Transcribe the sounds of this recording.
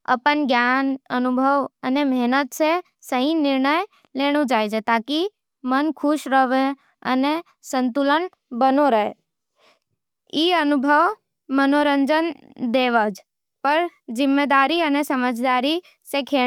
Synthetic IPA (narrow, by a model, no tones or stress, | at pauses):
ə̰pənɡjanənʊbʱəʋənemɛɦnət̪se | səɦĩnɪɾɳəj | leːɽ̃ud͡ʒaːjd͡ʒet̪aːki | mənkʰʊʃɾəʋe | ə̰ne | sə̃nt̪ulən | bənoɾəɦḛ | iːənʊbʱəʋ | mənoɾə̃ɲd͡ʒən | d̪eːʋəd͡ʒ | pəɾd͡ʒɪmːed̪aːɾiənesəməd͡ʒd̪aːɾi | sekʰe